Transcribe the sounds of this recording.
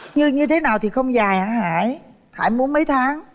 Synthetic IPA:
ɲɨ˧ɲɨ˧t̪ʰe˨˦naː˨˩wt̪ʰi˨˩xə˧wŋ͡mzaː˨˩jhaː˧˥haː˧˩j | ha̰ː˧˩jmu˨˦ənmə˨˦jt̪ʰaː˨˦ŋ

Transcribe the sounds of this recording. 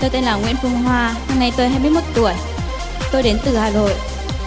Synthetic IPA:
t̪o˧t̪e˧nlaː˨˩ŋwḭ˧˥ənfʊ˧ŋ͡mɦwaː˧ha˧mna˧jt̪o˧jɦaː˧jmɨ˧jmo˧˩t̚t̪u˧˩əj | t̪o˧jɗe˨˦nt̪ɨ˨˩haː˨˩lo̰˧˨jʔ

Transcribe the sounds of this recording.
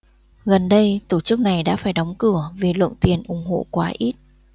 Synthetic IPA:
ɣə˨˩nɗə˧jt̪o˧˩t͡ɕɨ˦˥k̚na˨˩jɗa̰ː˧˥faː˧˩jɗɔ˨˦wŋ͡mkɨ˧˩əve˨˩lwə̰˧˨ŋt̪i˨˩ənʔʊ˨˩ŋ͡mɦo̰˧˨kwaː˨˦ʔi˦˥t̚

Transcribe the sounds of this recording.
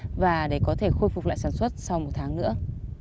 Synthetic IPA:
vaː˨˩ɗe˧˩kɔ˨˦t̪ʰe˧˩xo˧jfk͡p̚la̰ː˧˨jsaː˧˩nswə˦˥t̚sa˧wmo˨˩t̚t̪ʰaː˨˦ŋnɨ̰˧˥ə

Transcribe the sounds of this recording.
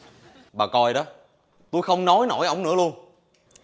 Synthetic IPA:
ɓaː˨˩kɔ˧jɗɔ˨˦ | t̪u˧jxə˧wŋ͡mnɔ˨˦jno̰˧˩jʔə˧˩wŋ͡mnɨ̰˧˥əlu˧ən

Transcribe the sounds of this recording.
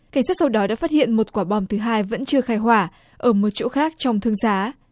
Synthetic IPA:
ka˧˩jŋ̟saː˦˥t̚sa˧wɗɔ˨˦ɗa̰ː˧˥faː˥t̚hḭ˧˨ənmo˨˩t̚kwaː˧˩ɓɔ˨˩wŋ͡mt̪ʰɨ˨˦ɦaː˧jvə̰˧˥nt͡ɕɨ˧əxaː˧˩jɦwaː˧˩ | ʔəː˧˩mo˨˩t̚t͡ɕo̰˧˥xaː˦˥k̚t͡ɕɔ˧wŋ͡mt̪ʰɨ˧əŋzaː˨˦

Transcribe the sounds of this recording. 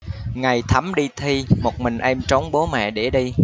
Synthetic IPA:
ŋa˨˩jt̪ʰə˨˦mɗi˧t̪ʰi˧mo˨˩t̚mï˨˩ŋ̟ʔɛ˧mt͡ɕo˨˦wŋ͡mɓo˨˦mɛ̰˧˨ɗe˧˩ɗi˧

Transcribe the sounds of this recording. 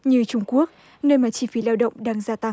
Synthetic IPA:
ɲɨ˧t͡ɕʊ˧ŋ͡mku˦˥ək̚ | nəː˧jmaː˨˩t͡ɕi˧fi˨˦laː˧wɗə̰˧˨wŋ͡mɗaː˧ŋzaː˧t̪a˧ŋ

